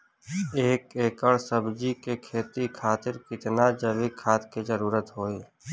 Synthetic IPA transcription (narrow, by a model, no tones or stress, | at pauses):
eːkeːkəɽsəbd͡ʒikekʰeːt̪ikʰaːt̪ɪɾkɪt̪nad͡ʒəʋikʰaːt̪ked͡ʒəɾuːɾət̪ɦoːeː